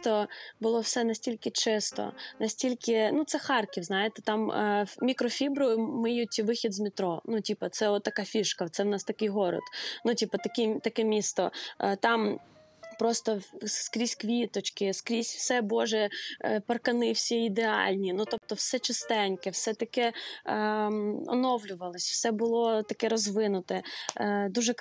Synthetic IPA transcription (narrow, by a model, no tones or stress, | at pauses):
t̪ɔbʊlˠɔwsɛnɐsʲtʲilʲkɪt͡ʃɪst̪ɔ̰nɐsʲtʲilʲkʲɪnut̪sɛxɑrkʲiwznɑjet̪ɛ̥t̪ɑmmʲikɾɔfʲibɾʊjʊmɪjutʲʋɪxʲid̪zmʲit̪ɾɔnutʲipɐt̪sɛɔt̪ːɐkɑfʲiʃkɐt̪sɛwnɑst̪ɐkɪjɦɔɾɔ̰t̪nutʲipɐt̪ɐkʲit̪ɐkɛmʲist̪ɔt̪ɑm | pɾɔst̪ɔskɾʲisʲkʋʲit̪ɔt͡ʃkɪskɾʲisʲwsɛbɔʒɛpɐrkɐnɪwsʲiid̪eɑ̰lʲnʲinut̪ɔp̚t̪ɔwsɛt͡ʃɪst̪ɛnʲkɛwsɛt̪ɐkɛ | ɔ̰nɔwlʲʊʋɐlˠɪsʲw̥sɛbʊlˠɔt̪ɐkɛɾɔzʋɪnʊt̪ɛd̪uʒɛ